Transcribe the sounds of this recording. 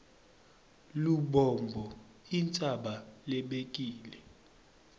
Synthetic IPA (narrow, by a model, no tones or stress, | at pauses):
luɓɔmbʱɔ | int͡sʼaɓalɛɓekʼiːlɛ